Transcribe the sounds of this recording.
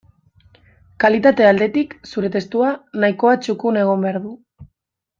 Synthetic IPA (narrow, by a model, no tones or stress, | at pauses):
kalit̪at̪e̞ald̪e̞t̪iksuɾe̞t̪e̞st̪uanaiko̞at͡ʃukune̞ɣ̞o̞mbe̞aɾðu